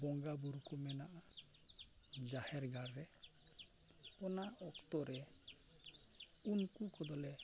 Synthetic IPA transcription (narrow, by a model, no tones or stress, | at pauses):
bɔŋɡabuɾkɔmɛnaʔa | d͡ʒahɛɾɡaɾːɛ | ɔnaʔɔkt̪ɔɾɛ | unkukɔd̪ɔlɛ